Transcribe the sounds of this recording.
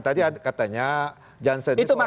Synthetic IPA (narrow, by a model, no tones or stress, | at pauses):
t̪adiakat̪aɲa | d͡ʒansəiuma